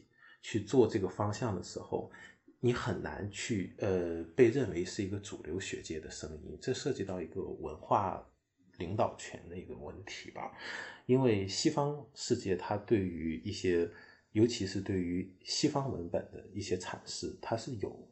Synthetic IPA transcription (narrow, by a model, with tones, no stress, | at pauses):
t͡ɕʰy˥˧t͡swɔ˥˧ʈ͡ʂɤ˥˩ɡə˩fɑ˥ŋɕjɑ˥˩ŋd̪ə˩ʂɻ̩˧˥xo̰˥˧˩ʊni˧˥xə˨˩nna̰˧˥nt͡ɕʰy˥˧ə˧pe˥˧ɪɻə˥˩nwe˧˥ɪʂɻ̩˥˩i˧˥ɡə˧ʈ͡ʂu˨˩ljo˧˥ʊɕɥɛ̰˧˥t͡ɕjɛ˥d̪ə˨ʂɤ˥ŋḭ˥nʈ͡ʂɤ˥˧ʂɤ˥˩t͡ɕi˥˧t̪ɑ˥˩ʊi˧˥ɡə̰˧wə̰˧˥nxwa˥˩ | li˧˥ŋt̪ɑ˨˩ʊt͡ɕʰɥɛ̰˧˥nd̪ə˧i˧˥ɡə̰˧wə˥˧nt̪ʰi̥˧˥bɐ̰˧i˥nwe˥˩ɪɕi˥fɑ˥ŋʂɻ̩˥˧t͡ɕjɛ˥˩t̪ʰa˥t̪we˥˩ɪy˧˥i˥˩ɕjɛ˥ | jo˧˥ʊt͡ɕʰi˧˥ʂɻ̩˥˧t̪we˥˩ɪy˧˥ɕi˥fɑ˥ŋwə̰˧˥npə˨˩nd̪ə̰˦i˥˩ɕjɛ˥ʈ͡ʂʰa̰˨˩nʂɻ̩˥˩t̪ʰa˥ʂɻ̩˥˩jo˨˩ʊ